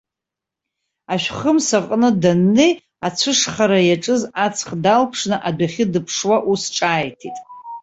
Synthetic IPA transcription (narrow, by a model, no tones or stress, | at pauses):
aʃʷᶣχəmsaqʼnɨdanːej | at͡sʷʰɨʂχaɾajaʈ͡ʂʼɨzat͡sʰχdalpʰʂnɨʔadʷaχʲɪdɨpʰʂwaʔusʈ͡ʂʼaːjtʰitʼ